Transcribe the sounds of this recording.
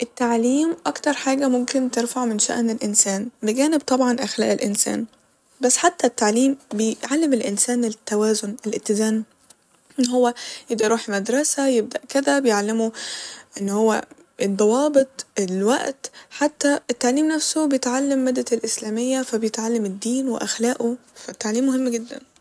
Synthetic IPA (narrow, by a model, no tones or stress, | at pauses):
ʔet̪ːaʕliːmʔɑkt̪ɑɾˤħaːɡæmomkɪnt̪eɾfaʕmɪnʃæ̰ʔnelʔɪnsæːnbeɡæːnɪbt̪ˤɑbʕɑnʔaxlæ̰ːʔelʔɪnsæ̰ːn | bæsːħat̪ːæt̪ːaʕliːmbejʕalːemelʔɪnsæːnet̪ːæwæːzonelʔɪt̪ːɪzæːn | ʔenːɦowːæjed̪ɑɾuːħmad̪ɾˤɑsæjeb̚d̪æʔkɪd̪æbejeʕlːɪmoʔɪnːhowːæ̰ | ʔed̪ˤːɑwɑːbɪt̪ˤelwa̰ʔt̪ħat̪ːæʔet̪ːaʕliːmnæfsobejet̪ʕalːɪmːɪd̪ːælʔɪslæːmɪjːæfæbjet̪ʕalːamɪd̪ːiːnwɪ̰ʔaxlæːʔofæt̪ːaʕliːmːʊhɪmːɡɪd̪ːæ̰n